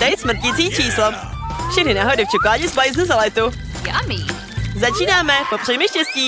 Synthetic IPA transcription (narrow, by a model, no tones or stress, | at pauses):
t̪ɛjt̪sm̩r̩t̪cit͡siːt͡ʃiːslo | fʃɛxnɪnaɦodɪft͡ʃɛkaːɲɪzbajɪznuzalɛt̪u | ja̰miː | zat͡ʃiːnaːmɛpopr̥ɛmɪʃcɛsciː